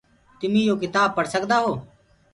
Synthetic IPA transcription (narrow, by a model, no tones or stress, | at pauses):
t̪ʊmĩːjoːk̬ɪt̪aːb̚pəɽsəkd̪aːɦoː